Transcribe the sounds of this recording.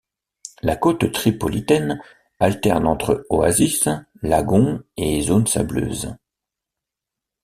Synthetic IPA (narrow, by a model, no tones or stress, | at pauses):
lakot̪t̪χipɔlit̪ɛn | alt̪ɛʁnɑ̃t̪χəoa̰zis | laɡɔ̃ezonsa̰blø̰ːz